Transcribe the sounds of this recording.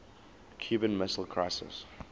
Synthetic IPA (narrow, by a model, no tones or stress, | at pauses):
kʰj̥ʉːbə̃nmɪsəl̩ˠkʰɹ̥aɪsɪ̰s